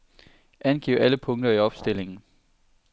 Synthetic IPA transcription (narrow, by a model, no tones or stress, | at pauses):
ʔænɡ̥ḭʊæləpʰɔ̽ŋd̥ɐiɒ̽b̥sd̥e̝l̰e̝ŋn̩